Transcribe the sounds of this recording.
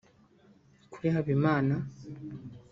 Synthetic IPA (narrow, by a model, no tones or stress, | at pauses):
kuɾihaβimaːna